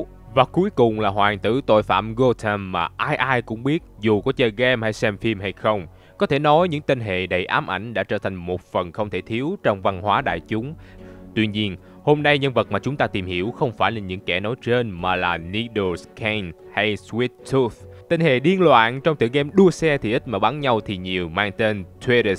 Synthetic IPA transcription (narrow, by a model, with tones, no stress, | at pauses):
vaː˨˩ku˨˦jkʊ˨˩ŋ͡mlaː˨˩ɦwaː˨˩ŋt̪ɨ̰˧˩t̪o̰˧˨jfa̰ː˧˩mɣo˧t̪ʰa˧mːaː˨˩ʔaː˧jʔaː˧jkʊ̰˧˥ŋ͡mɓi˦˥ət̚zu˨˩kɔ˨˦t͡ɕə˧˨˩ɣɛ˧mha˧jsɛ˧mfi˧mha˧jxə˧wŋ͡m | kɔ˨˦t̪ʰe˧˩nɔ˨˦jɲɨ̰˧˥ŋt̪i˧nɦḛ˧˨ɗə˨˩jʔaː˨˦mʔa˧˩jŋ̟ɗa̰ː˧˥t͡ɕəː˧˩t̪ʰa˨˩ŋ̟mo˨˩t̚fə˨˩nxə˧wŋ͡mt̪ʰe˧˩t̪ʰi˨˦əwt͡ɕɔ˧wŋ͡mva˧nhwaː˨˦ɗa̰ː˧˨jt͡ɕʊ˨˦ŋ͡mt̪wi˧ɲi˧ən | ho˧mna˧jɲə˧nvə˨˩t̚maː˨˩t͡ɕʊ˨˦ŋ͡mt̪aː˧t̪i˨˩mhḭ˧˩əwxə˧wŋ͡mfaː˧˩jlaː˨˩ɲɨ̰˧˥ŋkɛ˧˩nɔ˨˦jt͡ɕe˧nmaː˨˩laː˨˩ni˧ɗo˧skʰa˧n | ha˧jswi˦˥t̪̚t̪ʰu˧˥ft̪i˧nhḛ˧˨ɗi˧ənlwa̰ː˧˨nt͡ɕɔ˧wŋ͡mt̪ɨ̰˧˨ɣɛ˧mɗu˧əsɛ˧t̪ʰi˨˩ʔi˦˥t̚maː˨˩ɓa˨˦nɲa˧wt̪ʰi˨˩ɲi˨˩əwmaː˧ŋt̪e˧nt̪ʰwe˧ɾə˧˩